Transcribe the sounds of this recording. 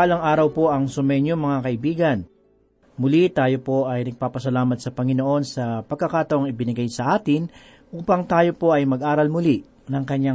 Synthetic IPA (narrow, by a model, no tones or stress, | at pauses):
alɐŋʔaːɾɐwpo̞ʔɐŋsʊmɛɲjoŋmɐŋakɐʔɪbiːɡɐn | mʊlit̪aːjopo̞ʔɐjnɐɡ̚paːpɐsɐlaːmɐt̪̚sɐpɐŋɪno̞ʔo̞nsɐpɐɡ̚kːɐkaːt̪ɐʔoŋɪbɪnɪɡajsɐʔaːt̪ɪn | ʔuːpɐŋt̪aːjo̞po̞ʔɐjmɐɡʔaːɾɐlmʊli | nɐŋkɐɲːa